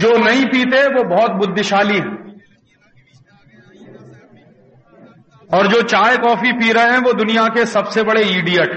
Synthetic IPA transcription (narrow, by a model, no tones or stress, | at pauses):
d͡ʒoːnɐĩpiːt̪eʋobɔɦːt̪̚bʊd̪ʱːɪʃaːliɦɛ̃ | ɔːɾd͡ʒoːt͡ʃaːjkɔːfipiːɾəɦɛ̃ʋoːd̪ʊnijakesɐbsebɐɽeiːɖijəʈ